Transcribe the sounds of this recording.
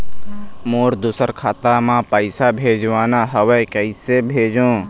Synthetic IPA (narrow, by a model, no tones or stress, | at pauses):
moːɾd̪usəɾkʰaːt̪amãːpəɪsabʱeːd͡ʒʋaːnaɦəʋekəisebʱeːd͡ʒõː